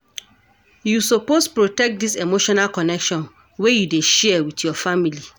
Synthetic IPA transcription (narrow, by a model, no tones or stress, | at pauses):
jusopospɹotɛk̚disemoʃɔnalkɔnɛkʃɔ̃n | wejudeʃɛɛwitjɔfamili